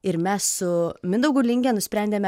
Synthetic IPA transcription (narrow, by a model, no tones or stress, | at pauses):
ɪɾmʲɛssʊmʲɪnd̪ɐʊɡuːlʲɪŋʲɡʲɛnʊsʲpʲɾʲɛnʲd̪ʲeːmʲɛ